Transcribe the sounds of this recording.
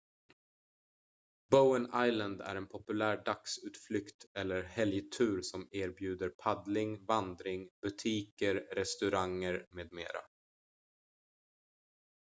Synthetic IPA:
bəʊənajlənd̪æ̰ɾɛnpʰɔpɵlæːɖaksʉ̟ːt̪flʏkt̪ɛlːəɾhɛljt̪ʰʉ̟ːɾsɔmeːɾbjʉ̟ːd̪əɾpʰad̪lɪŋvand̪ɾɪŋb̥ɵt̪ʰiːkəɾːɛst̪ɵɾaŋːəɾmeːd̪mḛːɾa̰

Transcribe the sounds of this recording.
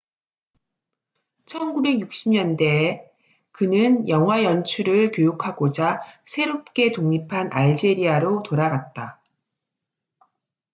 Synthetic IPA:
t͡ɕʰʌnɡube̞ɡjuk̚ɕ͈imɲʌnde̞ | kɯnɯnjʌŋɦwajʌnt͡ɕʰuɾɯɭkjojokʰaɡod͡ʑasʰe̞ɾop̚k͈e̞toŋipʰanʔaɭd͡ʑe̞ɾiaɾotoɾaɡat̚t͈a

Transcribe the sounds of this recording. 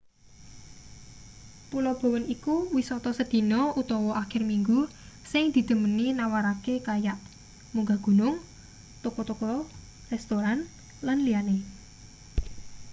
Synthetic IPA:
pulɔb̥o̤wənikuwisɔt̪ɔsəd̪̥i̤nɔut̪ɔwɔʔakɪrmiŋɡu | sɪŋd̪̥i̤d̪̥ə̤məninawaɾakekajaʔ | muŋɡaɡ̥ṳnʊŋ | t̪okɔt̪ukɔ | rɛst̪oɾan | lanliane

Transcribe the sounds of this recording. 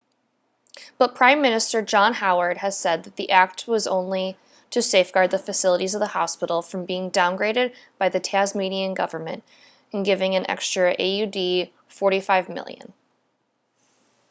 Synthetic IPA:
b̥ʌt̚pʰɹ̥ãɪ̃mːɪ̃nɨstə˞d͡ʒɑ̃nhaʊə˞d̚ɨz̥sɛd̪̚ðɨt̪̚ðiʔæk̚t̚wʌzõ̰ʊ̃nli | ɾɨseɪfɡ̥ɑɹd̪̚ðɨfɨsɪlˠəɾizʌvðəhɑspɪɾl̩ˠfɹʌ̃mbiɪ̃ŋdãʊ̃nɡɹeɪɾɨd̚b̥aɪðɨtʰæzmiɾiɨ̃nɡʌ̰və˞mɨ̰̃nt | ɨ̃n̩ɡɪvɪ̃ŋɨ̃nʔɛ̰kstɹ̥ɨʔḛɪjʉdi | fɔɹɾifaɪvmɪ̰lˠjɨ̰̃n

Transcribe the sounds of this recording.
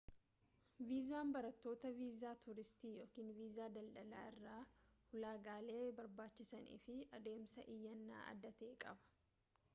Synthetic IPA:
viːzaːmbɐɾɐt̪ːo̞ːt̪ɐviːzaːt̪ʊɾɪst̪iːjo̞ːkiːnviːzaːd̪ɐlᶑɐla̰ːɪrːaːhʊlaːɡaːle̞ːbɐɾbaːt͡ʃːɪsɐnḭːfɪɐd̪e̞ːmsɐʔɪjːɐnːa̰ːʔɐ̰d̪ːɐt̪e̞ːkʼɐbɐ̥

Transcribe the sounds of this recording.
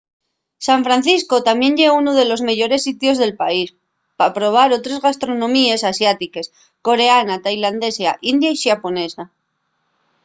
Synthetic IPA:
saɱfɾanθisko̞t̪amje̞ɲʎeunoðe̞lo̞zme̞ʝo̞ɾe̞sːit̪jo̞zðe̞lpais | papɾo̞β̞aɾo̞t̪ɾezɣast̪ɾo̞nõ̞mie̞sasjat̪ike̞s | ko̞ɾe̞anat̪ajland̪e̞sjaʔind̪jaisapo̞ne̞sa

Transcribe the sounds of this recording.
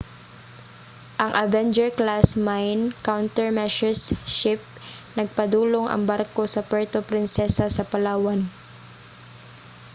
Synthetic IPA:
ʔɐŋʔɐvɛnd͡ʒɛɹklasmajnkawnt̪ɛɹmɛʃɛɹsʃɪp̚ | nɐɡ̚pɐd̪uːloŋʔɐ̰ŋbaɾko̞sɐpɛɹt̪opɾɪnsɛsasɐpɐlaːwan

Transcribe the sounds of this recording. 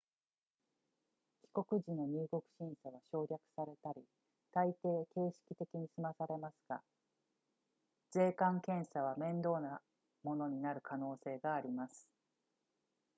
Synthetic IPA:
kʲi̥ko̞kɯ̟ʑino̞ɲ̟ɨːko̞kɯ̟̥ɕĩɰ̃saβaɕo̞ːɾʲakɯ̟̥saɾe̞t̪aɾʲi | t̪ait̪e̞ːke̞ːɕi̥kʲi̥t̪e̞kʲiɲ̟isɨmasaɾe̞masɨ̥ɡ̥a̰ | z̥e̞ːkãŋkẽ̞ɰ̃saβ̞amẽ̞nd̪o̞ːna | mo̞no̞ɲ̟inaɾɯ̟kʰano̞ːse̞ːɡaːɾʲimasɨ̥

